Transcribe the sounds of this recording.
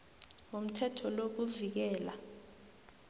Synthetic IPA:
om̩tʰɛtʰɔlok̬uvik̬ɛːla

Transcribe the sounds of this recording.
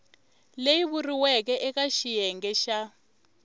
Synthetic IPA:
lejiβuriwɛk̬ɛʔɛkaʃijɛŋɡɛʃa

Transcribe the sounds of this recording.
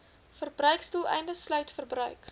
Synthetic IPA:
fərbrœɥkstulˠɛ̰jndəslœɥtfərbrœɥk

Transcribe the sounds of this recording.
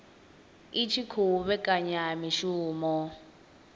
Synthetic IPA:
it͡ʃʰikʰuβɛkʼaɲamiʃuːmɔ

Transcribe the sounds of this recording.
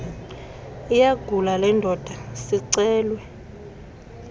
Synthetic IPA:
ijaɡ̥ʱulalɛndʱɔd̥ʱasiǀɛːlwɛ

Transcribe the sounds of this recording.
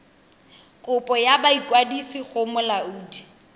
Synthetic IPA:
kʼʊpʼɔjabaikʼwadisiɣʊmʊlauːdi

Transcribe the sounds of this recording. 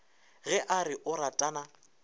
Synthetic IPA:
ɣɛʔaɾɪʔʊɾatʼana

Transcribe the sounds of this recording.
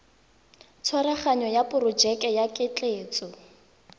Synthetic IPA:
t͡sʰwaɾaχaɲɔjapʼʊrʊd͡ʒɛkʼɛjakʼɪt͡ɬʼeːt͡sʼɔ

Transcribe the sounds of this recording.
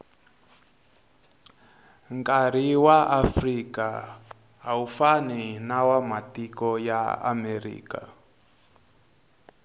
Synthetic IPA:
ŋkaɾ̤iwaʔafrika | ɦaufaninawamatikɔjaa̰mɛɾḭːka̰

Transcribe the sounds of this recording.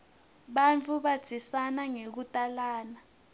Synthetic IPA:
ɓant͡fʰuɓḁisanaŋek̬utʼalaːna

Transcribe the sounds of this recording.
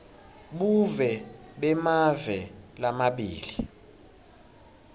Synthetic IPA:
ɓuvɛɓɛmavɛlamaɓḭːli

